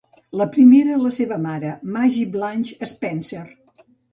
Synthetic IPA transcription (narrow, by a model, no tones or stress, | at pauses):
ləpɾimeɾələseβəmaɾəmaʒiblaɲʲʃəspɛnser